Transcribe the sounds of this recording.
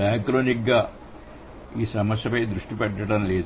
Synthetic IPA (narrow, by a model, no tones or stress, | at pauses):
aːkɾoːnik̚ɡaː | iːsɐmɐsjɐpɐjd̪ɾuʂʈipɛʈːɐʈɐmleːd̪